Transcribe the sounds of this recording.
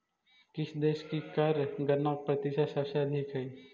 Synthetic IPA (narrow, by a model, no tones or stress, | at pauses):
kɪsd̪eːʃkikɐɾɡɐnaːpɾɐt̪iʃasaʃaəd̪ʱikɦɛː